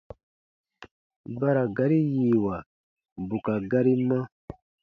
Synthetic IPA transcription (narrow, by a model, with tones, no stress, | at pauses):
ba˦ɾa˨ɡa˦ɾi˦jiː˨wa˨ | bu˨ka˨ɡa˦ɾi˦mã˦